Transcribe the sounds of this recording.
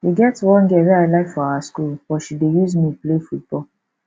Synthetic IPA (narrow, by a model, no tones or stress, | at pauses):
eɡɛtwɔ̃nɡeɾealaɪfɔaaskulbɔʃidejuzmiplefut̚bɔ